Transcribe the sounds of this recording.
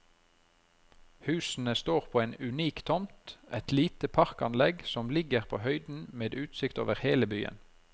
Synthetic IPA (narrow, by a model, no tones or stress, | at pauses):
hʉːsn̩əst̪oːʁpʰoːeːnʉniːkt̪ʰɔmt̪ʔɛt̪liːt̪əpʰɑʁkɑnlɛɡsɔmlɪɡəʁpʰo̰ːhœʏd̪n̩meːd̪ʉːt̪sɪkt̪o̰ːʋəʁheːləbyːə̰n